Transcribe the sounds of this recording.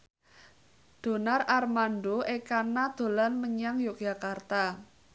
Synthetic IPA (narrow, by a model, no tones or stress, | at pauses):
d̪̥o̤nararmanɖoʔekanad̪̥o̤lanməɲaŋjoɡɡʒ̥a̤kart̪a